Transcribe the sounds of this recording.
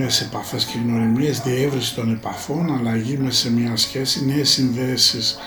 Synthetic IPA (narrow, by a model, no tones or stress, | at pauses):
ese̞pɐθe̞scekno̞ɾimiezðievɾisi̥t̪o̞ne̞pɐθo̞nɐlɐʝimesemɲɐsçe̞sine̞ːsːinðe̞sis